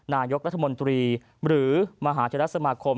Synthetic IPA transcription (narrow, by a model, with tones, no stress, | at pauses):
naː˧jo˦˥k̚ɾa˦˥t̪ʰːa˧mo˧nt̪ɾiː˧ | ɾɯː˩˦ma˧ɦaː˩˦t͡ɕʰa˧ɾa˦˥sa˧maː˧kʰo˧m